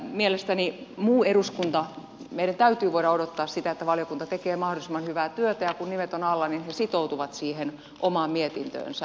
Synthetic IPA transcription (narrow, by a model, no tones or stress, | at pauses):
mielest̪ænimuːeɾuskunt̪ɑ | meiɾænt̪æyt̪yːʋoiɾɑodot̪ːɑːssit̪æet̪ːæʋɑljokunt̪ɑt̪ekeːmɑhdolisemːɑnhyʋæːt̪yøt̪æjɑkunnimet̪onɑlːɑninhesit̪out̪uʋɑt̪siːhen | ʔomɑːmmiet̪int̪ø̰ːnsæ